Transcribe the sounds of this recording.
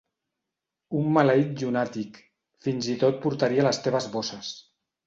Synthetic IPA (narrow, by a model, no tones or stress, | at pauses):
umːalait̪̚ʒunat̪ik | finzit̪ot̪̚puɾt̪aɾialəst̪eβ̞əzβosəs